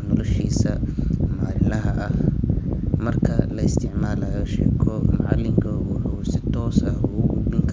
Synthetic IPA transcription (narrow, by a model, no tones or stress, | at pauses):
nɔlɔʃiːsɐmaːɾɪlɐɦɐʔɐh | mɐrkʰɐlɐɪst̪ʰɪʕmaːlaːjɔʃɛ̰ːkʰɔmɑʕɑlːɪŋkʰɐːɣʊħʊsɪt̪ʰɔːsɐhʊʊɡʊbɪŋkʰ